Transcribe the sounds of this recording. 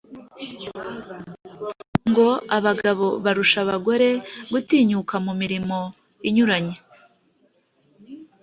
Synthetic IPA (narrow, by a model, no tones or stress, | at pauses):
ŋɡo̞aβaɡaβo̞βaɾuʃaβaɡo̞ɾe̞ɡutiːɲukamumiɾimo̞ | iɲuɾaɲe